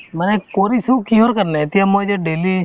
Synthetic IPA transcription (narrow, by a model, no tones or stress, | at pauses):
mənekoːɾisũːkĩːɦoːɾkəɾnet̪iãmod͡ʒeɖeːli